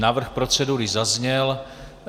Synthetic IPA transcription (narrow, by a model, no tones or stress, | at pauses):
naːvr̩xpɾo̞t͡sɛduɾɪzazɲɛl